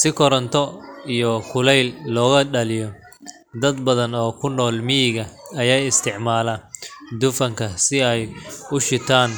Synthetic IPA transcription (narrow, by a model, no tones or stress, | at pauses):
sɪkʰɔɾɐnt̪ʰɔijɔkʰʊlɛjlːɔːɣɐɖɐlɪjɔ | d̪ɐd̪bɐðɐnɔːkʰʊnːɔːlmɪjɪɣɐɐjaːjɪst̪ʰɪʕmaːlɐd̪ʊfɐŋkʰɐsɪɛjʊʃɪt̪ʰaːn